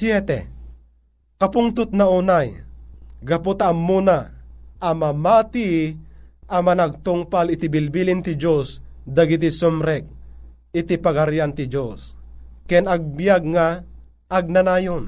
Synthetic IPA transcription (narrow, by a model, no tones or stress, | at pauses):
sjɛt̪ɛ̰ | kapʊŋt̪ʊt̪̚naunaj | ɡapot̪aːmːunaː | mamat̪i | amanaɡ̚t̪ʊŋpalɪt̪ibilbilɪnt̪ɪd͡ʒosd̪aɡit̪isumɾɛk̚ | ɪt̪ipaɡaɾjant̪ɪd͡ʒoskɛnaɡ̚bijaɡ̚ŋaː | ɡ̚nanaːjon